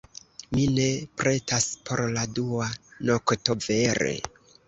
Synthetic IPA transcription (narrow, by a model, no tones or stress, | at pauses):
mine̞pɾʔe̞taspʰo̞ɾladuanokto̞ve̞ɾe̞̰